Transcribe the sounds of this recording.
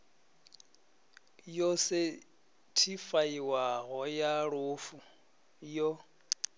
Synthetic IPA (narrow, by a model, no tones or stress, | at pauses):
jɔsɪ | tʰifaiwaɣɔjaɺʊːfu | jɔ